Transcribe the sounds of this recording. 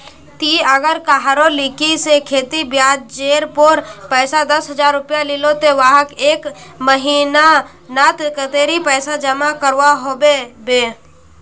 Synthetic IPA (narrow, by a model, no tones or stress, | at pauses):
t̪iəɡəɾkaɦaɾolikisekʰeːt̪ibjaːd̪̚d͡ʒeːɾpoɾpəːsad̪əsɦəd͡ʒaːɾːʊpjalɪlot̪eʋaɦəkeːkməɦina | nat̪kət̪eːɾipɛːsad͡ʒəmakəɾʋaɦobebeː